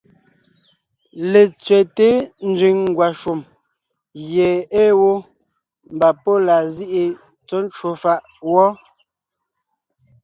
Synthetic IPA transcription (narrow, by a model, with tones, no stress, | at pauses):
le˨t͡sɥɛ˨te˦n̩˦d͡ʒi˨ŋŋ˦ɡwa˨ʃu˨m | ɣjɛ˨e˦wo˦ | m̩˨ba˨pɔ˦la˨zi˦ʔi˨ | t͡sɔ˦n˦t͡ʃwo˨fa˦˨ʔ | wɔ˦